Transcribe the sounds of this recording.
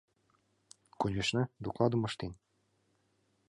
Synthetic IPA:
kunʲɘʃnɘ̆d̪uklˠɑd̪ɤ̆mɤ̆ʃt̪en

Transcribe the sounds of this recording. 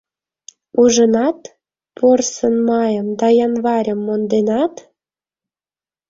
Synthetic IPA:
uʒənɑt̪ | pʰorsənmɑjə̆md̪ɑjɑnβɑɾʲə̆mːond̪enɑt̪

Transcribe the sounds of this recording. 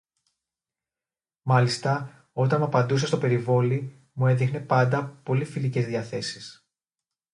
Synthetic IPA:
mɐlist̪ɐ | o̞t̪ɐnmɐpɐnd̪use̞st̪o̞pe̞ɾivo̞li | mueðixne̞pɐnd̪ɐpo̞lifilice̞zðiɐθe̞si̥s

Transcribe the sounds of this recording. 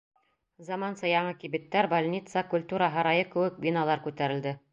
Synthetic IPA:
zɑmɑnsɤjɑɴɤkibɘt̪ːæɾbalʲnʲit̪sɑkulʲt̪uɾɑɦɤɾɑjɤkɘ̆wɘk̚bʲinɑlˠɑɾkʉt̪æɾɘ̆ld̪ɘ

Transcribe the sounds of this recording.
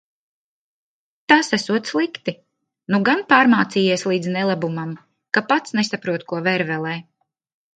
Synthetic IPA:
t̪asæsuɔt̪slˠikt̪i | nuɡanpaːɾmaːt̪sijiɛslˠiːd̪znɛlˠabumam | kapat̪snɛsapɾuɔt̪kuɔvɛɾvɛlˠɛː

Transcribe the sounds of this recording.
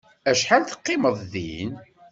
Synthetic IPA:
æʃħalt̪ə̥qːɪməðˤðin

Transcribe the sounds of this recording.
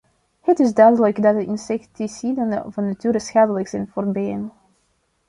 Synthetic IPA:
hətɪzdœɥdələkdɑt̚dəʔɪnsɛktisidən̰vɑnːatyːɾəsxaːdələksɛnfoːrbeːn

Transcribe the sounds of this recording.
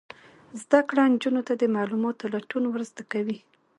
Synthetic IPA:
zd̪akɽand͡ʒunot̪ad̪əmɑlumot̪olaʈunwɾzd̪akawi

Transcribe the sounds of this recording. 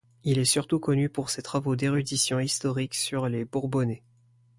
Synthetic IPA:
ilɛsyʁt̪ukɔnypuʁset̪χavod̪eʁyd̪isjɔ̃ist̪ɔʁiksyʁlebuʁbɔne

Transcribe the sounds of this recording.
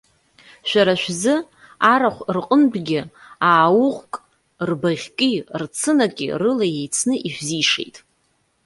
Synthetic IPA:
ʃʷᶣaɾaʃᶣzɨ | aɾaχʷrqʼənbɡʲɪaːwʊʁkʼ | rbaʁʲkʲʼirt͡sʰɨnakʲʼḭrɨlaje̞jt͡sʰnɨʔiʃʷᶣziʂḛjtʼ

